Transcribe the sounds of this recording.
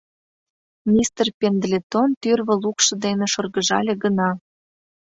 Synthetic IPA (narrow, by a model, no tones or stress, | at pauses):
nʲist̪rpʲend̪lʲet̪ont̪yrβə̆lukʃɤ̆d̪eneʃorɣəʒɑlʲeɡənɑ